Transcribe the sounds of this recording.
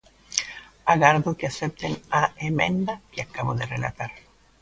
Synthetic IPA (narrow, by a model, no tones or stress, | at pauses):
aɣaɾðokeasep̚t̪enaemẽnd̪akeakaβoðerela̰t̪aɾ